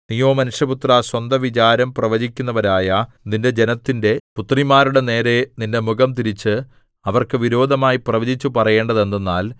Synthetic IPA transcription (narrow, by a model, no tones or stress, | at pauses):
nijoːmɐnuʂjɐput̪raswɐnd̪ɐʋit͡ɕaːɾɐmprɐʋɐd͡ʑikʲːunːɐʋɐɾaːjɐ | ninde̞d͡ʑe̞nɐt̪ːinde̞put̪ːrimaːɾuɽe̞ne̞ːɾe̞ninde̞muɣɐmt̪iɾit͡ɕːɨ | ɐʋɐrkɨʋiɾo̞ːd̪ʱɐmaːjiprɐʋɐd͡ʑit͡ɕːupɐrɐje̞ːɳɖɐðe̞nːenːaːl